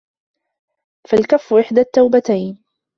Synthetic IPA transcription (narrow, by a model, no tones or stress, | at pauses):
falkafːʊʔɪħd̪at̪ːawbat̪ajn